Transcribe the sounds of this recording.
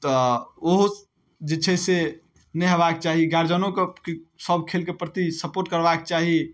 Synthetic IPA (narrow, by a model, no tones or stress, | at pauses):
t̪ɔoɦ | d͡ʒet͡ʃʰɛse | nɛɦeβaket͡ʃaɦiɡaɾd͡ʒənõkekesəbʱkʰelkepɾət̪isəpoɾʈkəɾbaket͡ʃaɦi